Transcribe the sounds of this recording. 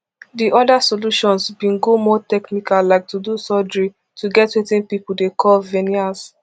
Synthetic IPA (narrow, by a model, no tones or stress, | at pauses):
diʔɔdasoluʃɔ̃nsbĩnɡomɔtɛknikallaɪk̚tʰudusɔdɹi | tʰuɡɛtwetĩnpipuldekʰɔlvɛnias